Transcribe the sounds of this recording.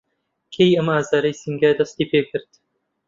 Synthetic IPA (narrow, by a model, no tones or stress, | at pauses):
kʰejamaːzaɾɐjsiŋɡad̪ɐst̪ipʰekʰɨɾt̪